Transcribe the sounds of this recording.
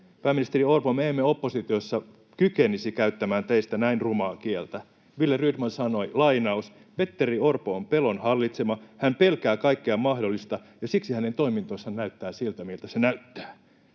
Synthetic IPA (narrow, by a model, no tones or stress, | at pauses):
pæːminist̪eriorpomeːmːeopːosit̪iosːɑ | kykenisikæyt̪ːæmæːnt̪eist̪ænæinrumɑːkielt̪æ | ʋilːeryːt̪mɑnsɑno̞ilɑinɑus | pet̪ːeriorpoompelonhɑlːit̪semɑhæmpelkæːkɑikːeɑmɑhdolːist̪ɑ | jɑsiksihænent̪o̞imint̪osːɑnnæyt̪ːæːsilt̪æmilt̪æsenæyt̪ːæ̥ː